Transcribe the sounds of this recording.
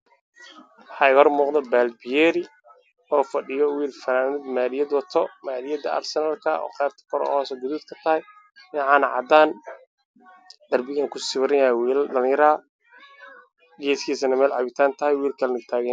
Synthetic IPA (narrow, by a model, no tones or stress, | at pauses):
wħɑːɪɣɐhɔrmuːqd̪ɐbaːlbɪjɛːɾɪ | ɔːfɐɖɪjɔwiːrfɐnaːnɪd̪maːlɪjɐd̪wɐt̪ʰɔmaːlɪjɐd̪ɐ̰ʔa̰rsɛnaːlkʰɐɔ̰ːqɛːɾ̚t̪ʰɐ̥kʰɔɾɔ̰hɔːsɐɡʊðuːd̪kʰɐ̥t̪ʰɐhɛj | mɪʕɑːnɐʕɑ̰d̪aːn | d̪ɐrbɪɣɛŋkʰʊsɪβɾɐjɐhɛwːlɖɐlɪ̃jɐɾɐɦɐ | ɡɛːskʰiːsɐnɐmɛːlʕɑ̰βɪt̪ʰaːnt̪ʰɐhɛjwiːrkʰɐlɛnɪɡt̪ʰaːɣɛ